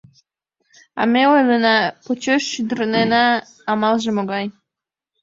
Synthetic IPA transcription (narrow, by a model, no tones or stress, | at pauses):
ɑ̰meojlˠənɑpot͡ɕøʃːyd̪əɾnenɑː | mɑlˠʒə̆moɡɑj